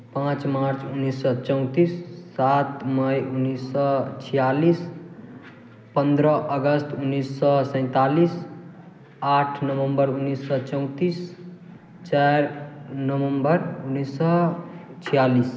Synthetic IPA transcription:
pãt͡smaɾt͡sunːisːʌt͡sʌw̃t̪isːat̪mʌjunːisːʌt͡sʰijalis | pʌnd̪ʱɾʌʔʌɡʌst̪unːisːʌsə̃ɪ̃t̪alis | aʈʰnʌwʌmbʌɾunːisːʌt͡sʌw̃t̪is | t͡ʃaɾnʌwʌmbʌɾunːisːʌt͡sʰijalis

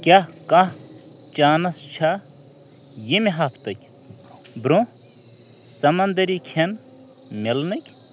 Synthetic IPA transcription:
kʲjakɐ | t͡ʃaːnɐst͡ʃʰa | jemeɦaːpʰt̪ɐkʲ | bɾõ | sɐmɐnd̪ɐɾikʲʰen | melnɐkʲ

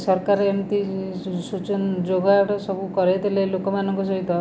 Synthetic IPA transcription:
sɔɾkaɾent̪isut͡ʃɔnd͡ʒoɡaʈɔsɔbʱukɔɾet̪elelokɔmanɔŋkɔs̬ɔɦit̪ɔ

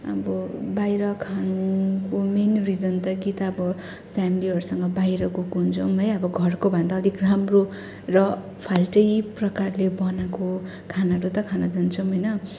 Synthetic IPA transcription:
ʌbʌbajɾʌkʰanukomenrid͡zʌnt̪ʌɡit̪aːbʌ | pʰjamiliɦʌɾusʌŋɡʌbajɾʌɡukɦunt͡sʰʌmɦʌjʌbʌɡʱʌrkobʱʌnd̪aːd̪ʱikramro | rʌ | pʰalʈʌjprʌkarlebʌnako | kʰanaʌɾut̪ʌkʰanad͡zʌnt͡sʰʌwɦʌjnʌ

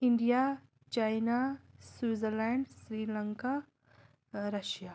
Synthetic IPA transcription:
iɳɖija | t͡ʃajnasuːzəɾlɛ̃ɳɖsɾiːləŋka | ɾɐʃja

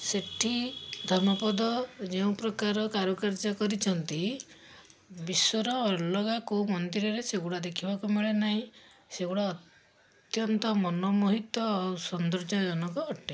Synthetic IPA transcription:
seʈʰid̪ʱɔɾmɔpɔd̪ɔd͡ʒeũpɾɔkaɾɔkaɾɔkaɾd͡ʒɔkɔɾit͡ʃʰɔnt̪i | bisɔɾɔːlɔɡakumɔnd̪iɾɔɾeseɡuɽad̪ekʰibakumeɭenaɦĩ | seɡuɽaɔt̪ | jɔnt̪ɔmɔnɔmuɦit̪wɔːsɔnd̪ɾɔd͡ʒɔd͡ʒɔnɔkɔːʈe

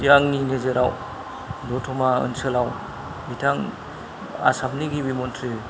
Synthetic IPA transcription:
jaŋninezeɾʔaw | dɔtʰɔmaɯ̰nsɯlaw | bitʰaŋ | a̰sap̚niɡibimɔntʰɾi

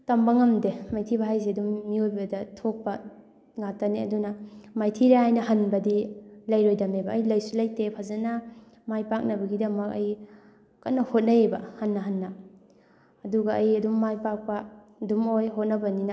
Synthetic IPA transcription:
tɐmbaŋɐmdemajtʰibaɦajzeɐdumːiojbɐdɐtʰok̚pɐ | ŋatɐniɐ̰dunɐmajtʰiɾeajnɐɦɐnbɐdilɐjɾojdɐmebɐːjlɐjsulɐjtepʰazɐna | majpak̚nɐbɐɡidɐmɐk̚ɐj | kːa̰nɐhot̚nɐebɐhɐnːɐɦanːɐː | duɡɐːjɐdumːajpak̚pɐ | dumojɦot̚nɐbɐninɐ

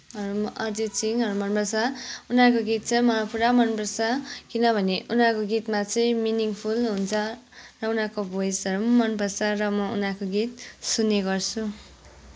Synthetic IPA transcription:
ɦʌɾumʌʔʌd͡zit͡siŋʌɾumʌnpʌsaunakoɡit̪̚t͡sʰʌmʌpuɾamʌnpʌsʌkinʌbʱʌneʔunakoɡit̪mat͡sʌj̃miniŋpʰulɦunt͡sʰʌ | rʌunakobʱojsʌɾumʌnpʌsarʌmʌṵnakoɡit̪̚sunːeɡʌrt͡sʰu

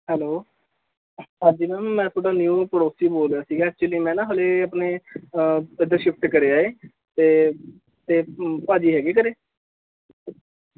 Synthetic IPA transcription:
hɛːloː | ɦaːd͡ʒiːmɛːmːɛ̃ːt̪ʰʊːɖaːnjuːpəɽoːsiːboːlɾejaːsiːɡaːɛk̚t͡ʃʊliːmɛ̃ːnãːɦoleːəpneː | ɪd̪əɾʃʊkt̪kəɾeːaːeː | t̪eː | t̪eːpaːd͡ʒiːɦɛːɡeːk̬əɾeː

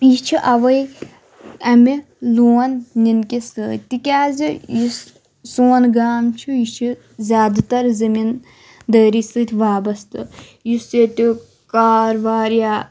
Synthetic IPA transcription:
it͡ʃʰiʔɐʋɐj | ɐmi | luːɐnninkesəːt̪ikʲaːzijis | suːɐnɡaːmt͡ʃʰujit͡ʃʰi | zʲaːd̪t̪ɐɾzɐmin | d̪əːɾisɨːt̪ʰʲʋaːbɐst̪ɨ | jiset̪ʲi | kaːɾʋaːɾjaː

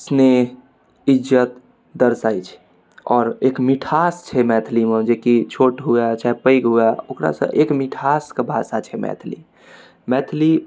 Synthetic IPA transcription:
sne | id͡ʒət̪ | d̪əɾsajt͡ʃʰ | ɔːɾekmiʈʰast͡ʃʰɛmɛt̪ʰlimed͡ʒekit͡ʃʰoʈɦuat͡ʃaɦepəjkɦuaokɾa̰sə̰̃ʔekmiʈʰaskebʱasat͡ʃʰɛmɛ̰t̪ʰlḭ | mɛt̪ʰli

